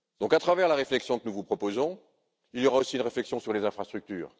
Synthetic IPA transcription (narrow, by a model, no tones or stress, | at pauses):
d̪̥ɔ̃kat̪χavɛʁlaʁeflɛksjɔ̃kənuvupχɔpozɔ̃ | iljɔʁaosiːnʁeflɛksjɔ̃syʁlezɛ̃fχast̪χyk̚t̪y̰ːʁ